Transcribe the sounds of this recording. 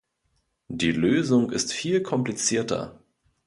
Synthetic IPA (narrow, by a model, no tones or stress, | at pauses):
d̥iːløːzʊŋɪstfiːlkʰɔmplit͡siːɐtɐ̰